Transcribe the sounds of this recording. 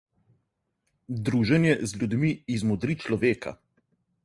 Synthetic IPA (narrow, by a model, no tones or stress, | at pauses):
d̪ɾuːʒɛnjɛzlʲud̪miːzmɔd̪ɾit͡ʃlɔʋeːka̰